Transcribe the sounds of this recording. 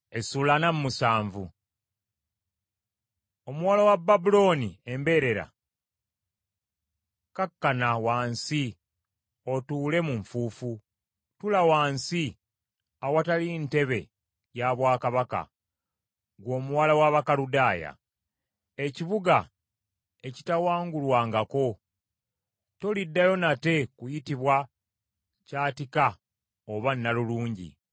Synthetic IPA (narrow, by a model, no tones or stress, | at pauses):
esulanammusaːɱvu | omuwalawabːabulo̞ːnie̞mbe̞ːɾe̞ɾa̰ | kakːanawaːnsi | o̞tuːle̞muɱfuːfu | tulawaːnsi | awatalinte̞βe̞ | jaβwaːkaβaka̰ | ɡwo̞ːmuwalawaβakaludaːja̰ | e̞ciβuɡa | e̞citawaːŋɡulwaːŋɡako̞ | tolidːajo̞nate̞kujitiβwa | caːtika | oβanːaluluːɲɟḭ